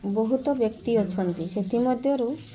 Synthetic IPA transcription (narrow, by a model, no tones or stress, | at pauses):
boɦut̪ɔbjɔkt̪iot͡ʃʰɔnt̪iset̪ʰimɔd̪ʱjɔɾu